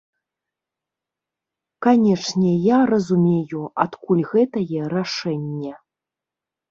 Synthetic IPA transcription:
kanʲɛʂnʲɛjarɐzumʲejuat̪kulʲɣɛt̪ɐjɛɾaʂɛnʲːɐ

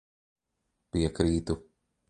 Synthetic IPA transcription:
piɛkɾiːt̪u

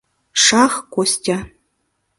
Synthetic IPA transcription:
ʂɑχkʷostʲa

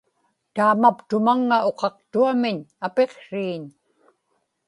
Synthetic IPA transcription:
t̪aːmapt̪ʊmaŋːao̞qɑqt̪uamɪɲape̞qʂiːɲ

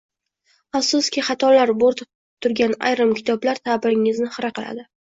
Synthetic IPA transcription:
afsʊskʲiχɑt̪ʰɒlaɾboɾt̪ʰɪp̚ | t̪ʰʊɾɡʲana̰jɾɨmkʲʰɪ̥t̪ʰɒblaɾt̪ʰabɪɾɪŋɪznɪχɨɾaqɨla̰d̪ɪ

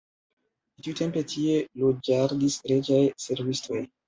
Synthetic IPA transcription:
litiute̞mpe̞tʰie̞lod͡ʒaɾdisɾed͡ʒajse̞ɾvisto̞j

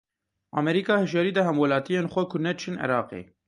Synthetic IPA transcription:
ɑ̰ːmɛɾiːkɑːhɨʒɑɾiːd̪ɛhɛmwɛlɑːt̪ijeːnxʷɛkʰʊnɛt͡ʃʰɨnɛ̰ɾɑːqḛː

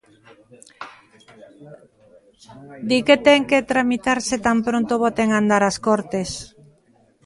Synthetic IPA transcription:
d̪iket̪ɛŋket̪ɾamit̪aɾset̪ampɾont̪oβot̪eŋand̪aɾaskoɾt̪es

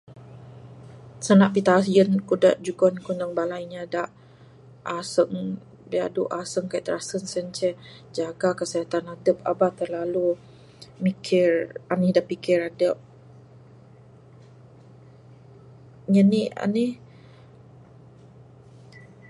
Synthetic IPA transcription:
sənaʔpit̪asijənkudəʔd͡ʒuɡɔnkunəŋbalajɲadaʔ | ʔasəŋ | bia̰duʔasəŋkaiʔt̪əɾasənsənt͡ʃɛ | d͡ʒaɡakəsiat̪anadəp̚a̰bat̪ərlalu | mikʰɪranihdaʔpikɪɾadəp̚ | ɲənia̰ni

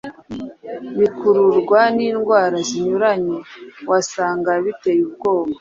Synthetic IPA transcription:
βikuɾuɾɡwaniːnɡwaːɾaziɲuɾaɲewasaːŋɡaβitejub̚ɡoːma

